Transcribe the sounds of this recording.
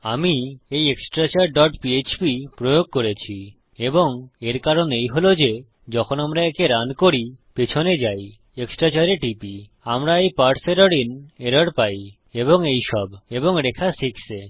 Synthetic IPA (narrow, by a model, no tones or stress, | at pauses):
amiejeksʈɾat͡ɕaɾɖɔʈpiet͡ɕpipɾojoɡ̚koɾet͡ɕʰi | eboŋeɾkaɾonejɦolod͡ʑe | d͡ʑɔkʰonamɾaekeɾankoɾipet͡ɕʰoned͡ʑaj | eksʈɾat͡ɕaɾeʈipi | amɾaejpaɾʈseɾoɽineɾoɽpaj | eboŋejʃɔbeboŋɾekʰasikse